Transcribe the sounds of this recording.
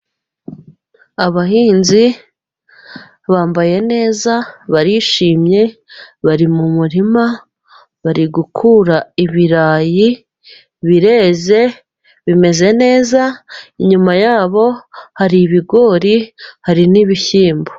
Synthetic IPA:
aβaɦiːnzi | βaːmbaje̞ne̞ːzaβaɾiʃiːmɲe̞βaɾimumuɾima | βaɾiɡukʰuɾaiβiɾaːji | βiɾe̞ze̞ | βime̞ze̞ne̞ːzaiɲumajaːβo̞haɾiβiɡo̞ɾihaɾiniβiçiːmbo

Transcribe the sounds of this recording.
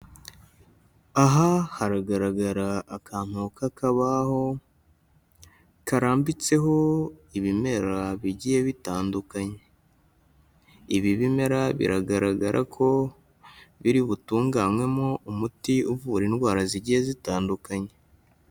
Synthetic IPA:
aɦahaɾaɡaɾaɡaɾaːkaːn̥hukakaβaho̞ | kaɾaːmbit͡se̞ɦo̞iβime̞ɾaβiɟijeβitaːndukaɲe̞ | iβiβime̞ɾaβḭɾaɡaɾaɡaɾʔa̰kʰo̞ | βiɾiβutuːŋɡamwe̞moumutiuvuɾinwaːɾaziɟijezitaːndukaɲe̞

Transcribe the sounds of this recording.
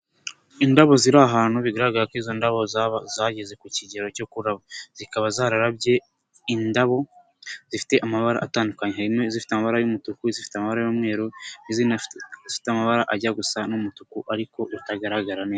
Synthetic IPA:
indaβo̞ziɾaːɦaːn̥huβiɡaɾaɡaɾakwiːzo̞ndaβo̞zaβzaːɟe̞ze̞kuciɟe̞ɾo̞co̞kuɾaβoz̥ikaβazaːɾaɾabɟe̞ | indaβo̞ | z̥ifi̥te̞ʔamaβaɾa̰ʔataːndukaɲe̞ɦaɾimŋe̞zifi̥teamaβaɾajumutukuzifi̥teamaβaɾajomŋe̞ːɾoniziːnazifi̥teamaβaɾaʔaɟaɡusanumutukuʔaɾiko̞ʔutaɡaɾaɡaɾaneːza

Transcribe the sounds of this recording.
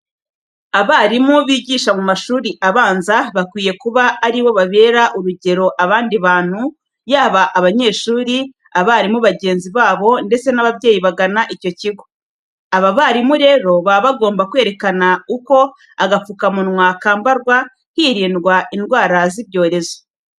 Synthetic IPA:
aβaːɾimuβiːɟiːʃamumaʃuːɾiʔaβaːnzaβakwiːje̞kuβaːɾiβo̞βaβe̞ːɾaʔuɾuɟe̞ɾo̞ʔaβaːndiβaːn̥hu | jaːβaʔːβaɲe̞ːʃuːɾi | aβaːɾimuβaɟe̞ːnziβaːβo̞nde̞t͡se̞naβavje̞ːjiβaɡanaʔico̞ciɡo̞ | aβaβaɾimuɾe̞ːɾo̞βaβaɡo̞ːmbakwe̞ːɾe̞kanauko̞ | aɡafukamunŋwakaːmbaɾɡwa | hiːɾiːndɡwaindɡwaːɾaziβɟo̞ːɾe̞zo̥

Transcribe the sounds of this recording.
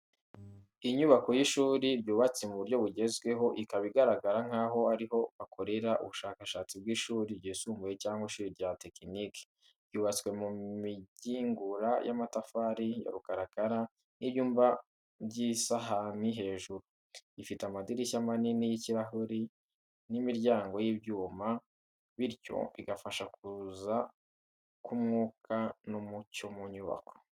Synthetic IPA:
iɲuβako̞jiʃuːɾibjuːβat͡semuβuɾjo̞βuɟe̞zɡwe̞ɦo̞ʔikaβiɡaɾaɡaɾaŋ̥aːɦo̞aɾiɦo̞βakʰo̞ɾe̞ɾaʔṵβuʃaːkaʃaːt͡sib̚ɡiːʃuːɾibɟisuːmbujecaːŋɡwaiʃuːɾiɾɟate̞kinike̥ | bjuːβat͡swe̞mumiɟiːŋɡuɾajʔa̰matafaːɾijo̰ɾukaɾakaɾa | niβjuːmba | bɟisaɦaniɦe̞ːʒuɾu | ifiteamadiɾisamaninijiciɾaɦuɾi | nimiɾɟaːŋɡo̞jibjuːma | βiɾjo̞̰βḭɡafaʃak̚uza | kumŋuːkʰanumucomuɲuβa̰ko̥

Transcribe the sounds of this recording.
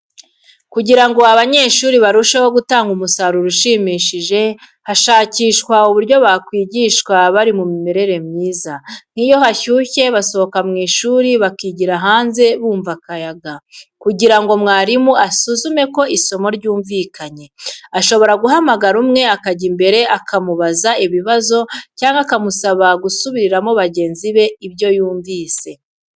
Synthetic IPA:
kuɟiɾaŋɡoaβaɲe̞ʃuːɾiβaɾuʃahoɡutaːŋɡumusaɾuɾuʃiːmiːʃiʒe̞ | haʃaːciːʃkwauβuɾɟo̞βakwiːɟiʃkwaβaɾimumime̞ɾe̞ɾe̞mɲiːzan̥iːjo̞ɦaçuːçe̞βaso̞hokamŋiːʃuːɾiβakiːɟiɾaɦaːnze̞βuːɱvakajaɡakuɟiɾaŋɡo̞mŋaːɾimuasuzume̞ko̞iso̞mo̞ɾɟuːɱviːkʰaɲe̞aʃo̞βo̞ɾaɡuɦamaɡaɾumŋe̞akaɟimbe̞ɾe̞ʔakʰamuβazaiβiβazo̞caːŋɡakamusaβaɡusuβiɾiɾamo̞βaɟe̞ːnziβe̞iβjo̞juːɱviːse̞

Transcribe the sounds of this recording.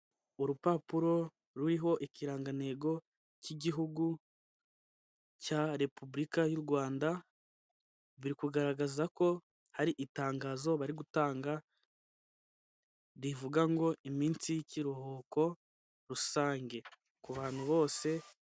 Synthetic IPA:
oɾupapuɾo̞ | ɾuɾiɦo̞ʔiciɾaːŋɡane̞ːɡo̞ | ciɟiɦuɡu | caɾe̞pubɾikajuɾɡwaːnda | βiɾikuɡaɾaɡazako̞ | haɾiʔitaːŋɡaːzo̞βaɾiɡutaːŋɡa | ɾivuɡaŋɡo̞imiːnsijiciɾohoːko̞ | ɾusaːŋɡe̞ | kuβaːn̥huβo̞ːse̞

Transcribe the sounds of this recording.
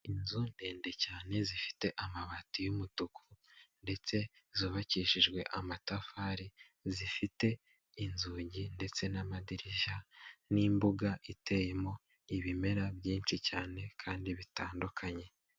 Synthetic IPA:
inzunde̞ːnde̞caːne̞zifi̥te̞ʔamaβatujumutukunde̞t͡se̞zoːβaciːʃiʒɡwe̞ʔamatafaːɾi | zifite̞ | inzuːɟinde̞t͡se̞namadiɾiʒaniːmbuɡaʔitʰe̞jemo̞ | iβime̞ɾaβjiːnt͡ʃicaːne̞kʰaːndiβitaːndukʰaɲe̞

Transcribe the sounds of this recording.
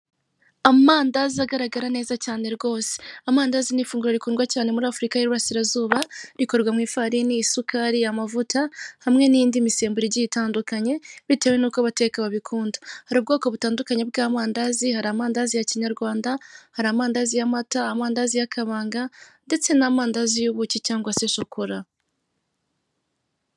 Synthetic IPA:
amaːndaziaɡaɾaɡaɾane̞ːzacaːne̞ɾɡo̞ːse̥amaːndaːzinifuːŋɡuɾaɾikuːnɡwacaːne̞muɾaːfuɾikaheɾuɾasiɾazuːβaɾiko̞ɾɡwamŋiːfaɾiniːsukaɾijamavutahamŋe̞niːndimise̞ːmbuɾiɟiitaːndukaɲe̞βite̞ːwe̞nuːkaβate̞ːkaβaβikʰuːndahaɾuːb̚ɡo̞ːko̞βutaːndukaɲe̞bɡaːmaːndazihaɾaːmaːndazijaciɲaɾɡwaːndahaɾaːmaːndazijamataːmaːndazijakʰaβaːŋɡande̞t͡se̞naːmaːndazijuβucicaːŋɡwasesokuɾa

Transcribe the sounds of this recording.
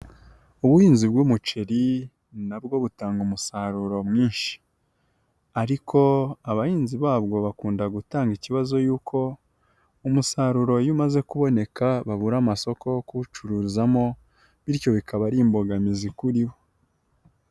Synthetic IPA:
uβuhiːnzibɡumut͡ʃeɾi | nabɡo̞βutaːŋɡumusaɾuɾo̞mŋiːnʃi̥ | aɾikʰo̞aβahiːnziβaːβɡo̞βakuːndaɡutaːŋɡiciβazo̞juːkʰo̞ | umusaɾuɾo̞jumaze̞kuβo̞ne̞kaβaβuɾamaso̞kʰo̞kuut͡ʃuɾuzamo̞ | βiɾjo̞βikaβaɾiːmboɡamizikuɾiβo̞

